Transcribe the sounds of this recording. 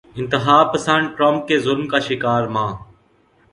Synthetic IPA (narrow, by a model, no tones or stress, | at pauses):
ɪnt̪ɪɦaːpəsəɳɖ̚ʈɾoːmp̚keːzʊlmkaːʃɪkaːɾmãː